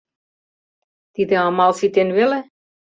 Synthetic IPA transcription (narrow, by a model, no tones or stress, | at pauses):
t̪id̪ɘ̆ɑmɑlˠsit̪enʋelɘ̆